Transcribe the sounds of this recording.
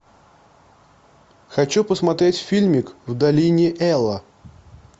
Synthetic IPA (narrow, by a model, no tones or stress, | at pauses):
xɐt͡ɕupəsmɐt̪ɾʲetʲfʲilʲmʲɪkvd̪ɐlʲinʲɪʔɛlˠə